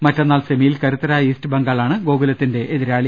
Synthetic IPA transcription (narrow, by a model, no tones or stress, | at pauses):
mɐtːɐnːaːlsemijilkɐɾut̪ːɐɾaːiːstɨbɐŋɡaːɭaːɳɨɡo̞ːɡulɐt̪ːinde̞ʔeðiɾaːɭi